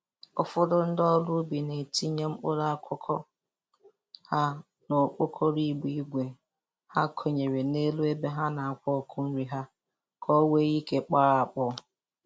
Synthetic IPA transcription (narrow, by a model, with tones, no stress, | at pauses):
ʊ˦fʊ˦dʊ˦n̩˦dɔ˦lʊ˦bi˨ne˨ti˦ɲe˦ŋ͡m̩˦k͡pʊ˦ɾa˦a˦˨kʷʰɔ˦kʰɔ˦ | ha˦ | no˨k͡po˦kʰɔ˦ɾi˦ɡ͡bi˦i˦ɡʷe˨ | ha˦kʰo˨ɲe˨ɾe˨ne˦lu˦e˦be˦ɦa˦na˨a˨kʷɔ˦˨kʰʊ˦n̩˦ɾi˨ɦa˦ | kʰɔ˦we˦ɣi˦ke˦k͡pa˦ɾa˨a˨k͡pɔ˦